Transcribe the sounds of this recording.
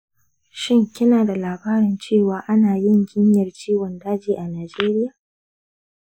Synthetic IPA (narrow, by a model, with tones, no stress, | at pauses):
ʃɪ˦ŋkʲɪ˦naː˨da˨laː˨baː˦ɾɪ˨nt͡ʃeː˦˨waː˨ʔa˦naː˨jɪ˦ŋɡʲɪ˦ɲjɐ˨rt͡ʃiː˦wɔ˨ndaː˦d͡ʒiː˨ʔa˨naː˨d͡ʒeː˦ɾɪ˦ja˨